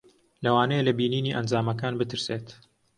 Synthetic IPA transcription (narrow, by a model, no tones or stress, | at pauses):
lɐwaːnejelɐbiːniːniːʔɐnd͡zaːmɐkaːnbɨt̪ɨɾseːt̪